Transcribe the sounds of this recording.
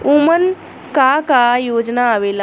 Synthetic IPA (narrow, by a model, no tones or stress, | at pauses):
umən | kakajoːd͡ʒnaːʋeːla